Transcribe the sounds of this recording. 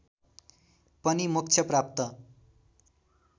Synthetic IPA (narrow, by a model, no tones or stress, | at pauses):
pʌnimuk̚t͡sʰjʌprap̚t̪ʌ